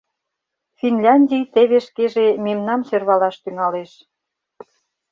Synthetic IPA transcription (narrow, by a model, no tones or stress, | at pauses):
finlʲɑnʲdʲijt̪eβeʃkeʒememnɑmsørβɑlɑʃt̪yŋɑleʃ